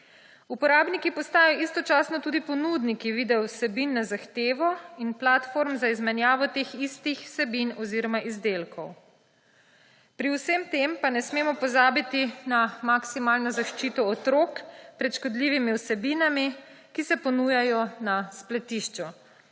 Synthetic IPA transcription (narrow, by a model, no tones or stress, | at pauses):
upɔɾaːbnikipɔst̪aːjɔʔist̪ɔt͡ʃaːsnɔt̪uːd̪ipɔnud̪nikiʋiːd̪ɛwsɛbinːazaxt̪eːʋɔinplat̪foɾmzaizmɛnjaːʋɔt̪eːxist̪ixsɛbinɔziːɾɔmaʔizd̪eːlkʰɔw | pɾiwsəmt̪empanɛsmeːmɔpɔzaːbit̪inamaksimaːlnɔzaʃt͡ʃiːt̪ɔːt̪ɾoːkpɾɛt̪ʃkɔd̪liːʋimiwsɛbiːnami | kisɛpɔnuːjajɔnasplɛt̪iʃt͡ʃɔ